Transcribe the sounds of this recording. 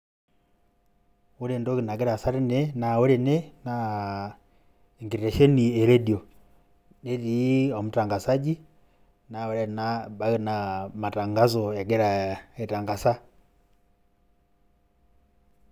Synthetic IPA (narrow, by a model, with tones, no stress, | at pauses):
wu˦ɾe˨ndo˦ki˨na˨ɡɛ˦ɾa˨sa˦ɾi˦nɛ˦na˨o˦ɾe˨nɛ˦na˨ | iŋɡiɾɾa˨ʃɔ˦ni˨ɛ˨ɾe˦di˨ɔ˨ | ne˦ɾi˦ɔ˨mu˨ta˨ŋɡa˨sa˦d͡ʒi˦ | na˨wo˨˦ɾɛ˦na˦ba˦ki˨nama˨ta˨ŋɡa˦zɔ˨a˨ɡɛ˦ɾa˨e˨ta˨ŋɡa˨sa˦